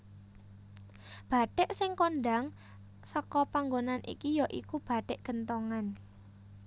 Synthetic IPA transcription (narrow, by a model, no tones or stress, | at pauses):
b̥a̤ɖ̥ɛ̤ʔsɪŋkonɖaŋ | səkɔpaŋɡonanʔḭkijɔʔḭkub̥ä̤ɖ̥ɛ̤ʔɡ̥ənt̪oŋan